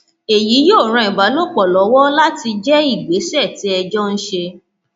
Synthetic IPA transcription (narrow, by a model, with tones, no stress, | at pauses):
e˨ji˨˦jo˦˨ɾ̃ã˨˧ĩ˨ba˨˦lo˦˨k͡pɔ˨lɔ˨˦wɔ˦la˦ti˧d͡ʒɛ˦i˦˨ɡ͡be˨˦sɛ˦˨ti˨˦ɛ˧d͡ʒɔ˦n̩˦ʃe˧